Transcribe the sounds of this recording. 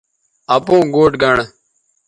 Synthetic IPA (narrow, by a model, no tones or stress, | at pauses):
əpõːɡoːʈɡʱəɳ